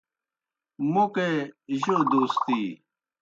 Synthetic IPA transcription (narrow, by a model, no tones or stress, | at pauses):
mokeʑod̪oːst̪iː